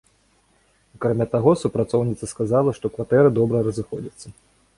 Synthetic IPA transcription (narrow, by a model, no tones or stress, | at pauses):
akɾamʲat̪aɣɔsupɾat̪sɔwnʲit̪sɐskazalˠɐʂt̪ɔkvat̪ɛɾɨd̪ɔbɾɐɾɐzɨxɔd͡zʲɐt̪sːɐ